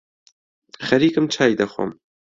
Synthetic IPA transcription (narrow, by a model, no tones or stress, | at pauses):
xɐɾiːkɨmt͡ʃʰaːjd̪ɐxwo̰m